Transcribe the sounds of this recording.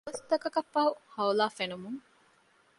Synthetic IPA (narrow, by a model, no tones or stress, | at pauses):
ɐst̪ɐkɐkɐfːɐɦuhɐulaːfenumuŋ